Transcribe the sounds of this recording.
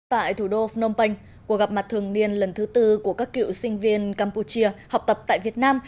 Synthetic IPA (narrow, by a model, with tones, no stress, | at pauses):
t̪a̰ː˧˨jt̪ʰu˧˩ɗo˧fno˧wŋ͡mpə˧jŋ̟ | ku˧˩ək̚ɣa˨˩p̚ma˨˩t̚t̪ʰɨ˨˩əŋni˧ənlə˨˩nt̪ʰɨ˨˦t̪ɨ˧ku˧˩əkaː˦˥kːḭ˧˨wsï˧ŋ̟vi˧ənkaː˧mpu˧˩t͡ɕi˧əha˨˩wk͡p̚t̪ə˨˩p̚t̪a̰ː˧˨jvi˨˩ət̚naː˧m